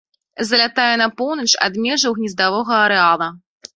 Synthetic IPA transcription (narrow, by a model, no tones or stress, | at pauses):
zɐlʲat̪ajɛnɐpɔwnɐt͡ʂa̰d̪mʲɛʐɐwɣnʲizd̪avɔɣɐːɾɛalˠɐ